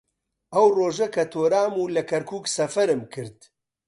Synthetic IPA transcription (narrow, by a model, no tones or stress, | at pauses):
ʔɐwroːʒɐkʰɐt̪ʰoːɾaːmuːlɐkʰɐɾkʰuːksɐfɐɾɨmkʰɨɾd̪